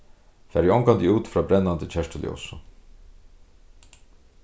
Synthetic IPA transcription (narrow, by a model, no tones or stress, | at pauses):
fæːɾjɔŋkant̪ɪuːt̪fɾaːbɾɛnːant̪ət͡ɕʰɛʂtəljɔ̰wsʊ